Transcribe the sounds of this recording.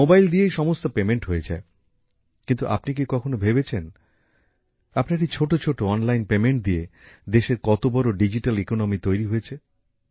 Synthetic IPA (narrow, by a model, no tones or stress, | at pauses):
mobajld̪iejʃɔmost̪opemeɳʈɦoed͡ʑa̰e | kint̪uʔa̰pnik̬ikɔkʰonobʱebet͡ɕʰen | apnaʈ̬it͡ɕʰoʈot͡ɕʰoʈoɔnlajnpemeɳʈ̚d̪ied̪eʃeɾkɔt̪obɔɾoɖid͡ʑiʈalikonomit̪ojɾiɦoet͡ɕʰe